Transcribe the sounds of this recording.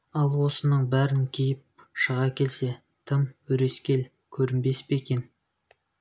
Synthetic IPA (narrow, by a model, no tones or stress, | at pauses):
ɑlˠwo̞sənəɴbæɾɪŋkʲʰejɪp̚ | ʃəʁɑkʲʰe̞lse̞ | t̪ʰəmɵɾe̞skʲe̞l | kʲʰɵɾɪmbe̞speekʲe̞n